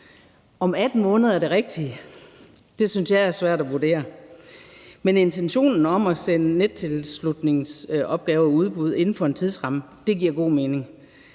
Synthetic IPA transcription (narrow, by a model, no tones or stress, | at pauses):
ɒ̽mæd̥n̩mɔ̽ːnð̩ˠæɐd̥e̝ʁeɡ̥d̥i | d̥e̝synsjɑ̈ɪæɐsʋæɐ̰d̥æʋuɐd̥e̝̰ːɐ | mene̝nt͡sʰenɕo̝̰ːnn̩ɒ̽mæsenəne̥t͡sʰe̝lslud̥ne̝ŋsʔɒ̽b̥̚ɡ̥ɛːʊɒuð̞ˠb̥uð̞ˠe̝nn̩fɒ̽e̝nt͡sʰið̞ˠsʁɑ̈mə | d̥e̝ɡ̥iɐ̰ɡ̥o̝̰ːme̝ːne̝ŋ